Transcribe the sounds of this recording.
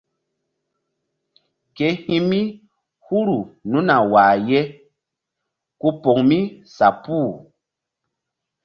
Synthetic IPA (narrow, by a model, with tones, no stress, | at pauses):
ke˨hĩ˦mi˦ | hu˦ɾu˨nũ˦na˨waː˨je˦ | ku˦po˨ŋmi˦sa˨puː˦˨